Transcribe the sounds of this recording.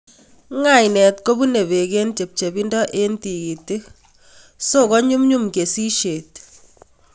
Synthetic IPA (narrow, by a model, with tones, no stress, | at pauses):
ŋa˨jnɛ˨tko˦bu˦ne˨βe˨ke˦nt͡ʃe˨p̚t͡ʃe˨bi˦ndɔ˦ʔe˦nti˨ɡi˨te˦ | so˦kɔ˦ɲu˦mɲu˦mke˨si˦ʃe˨t̚